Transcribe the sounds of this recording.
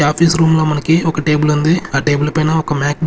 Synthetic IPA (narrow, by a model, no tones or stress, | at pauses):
aːpisɾuːmlɐːmɐnɐkːiɔkːɐʈeːbɪlʋɐnd̪ɯaːʈeːbɪlpːoːjɪnaːɔkːɐmaːk̚